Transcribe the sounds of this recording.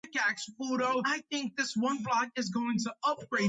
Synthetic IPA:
kæksfoʊɾoʊaɪθɪ̃ŋk̚ðɪswʌ̃nblɑk̚ɨzɡoʊɪ̃ŋtʰəʌp̚ɡ̥ɹeɪ

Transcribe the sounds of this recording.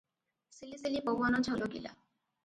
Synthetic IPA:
silisilipowanɔt͡ɕʰɔloɡḭla̰

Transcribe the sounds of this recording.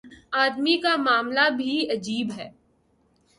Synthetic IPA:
aːd̪mikamaːmlabʱiɐd͡ʒiːbɦɛː

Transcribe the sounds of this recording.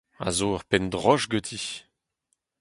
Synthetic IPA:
a̰zoaʁpɛnd̪ʁɔʒɡøt̪ʰi

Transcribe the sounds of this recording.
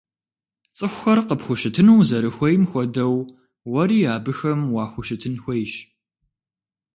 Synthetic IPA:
t͡sʼɨxʷʊxɐrqəpxʷʊʃɪtʰɨnuwzɐɾɨxʷɔjmxʷɔdɐw | wɐɾiːaːbɨxɐmwɑːxʷʊʃɪtʰɨnxʷɐjɕ

